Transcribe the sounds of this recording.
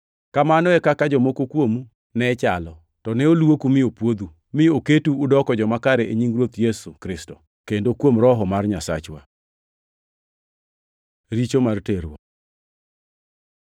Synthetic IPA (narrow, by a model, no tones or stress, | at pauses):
kamanɔɛkakad͡ʒɔmokokwomu | nɛt͡ʃalɔ | tɔnɛolwokumɪopwod̪u | mɪoketuːdɔkɔd͡ʒɔmakaɾɛʔeɲiŋɡɾwot̪jesukɾɪstɔ | kendokwomɾɔɦɔmarɲasa̰t͡ʃwa̰ | ɾit͡ʃomarteɾwɔ̰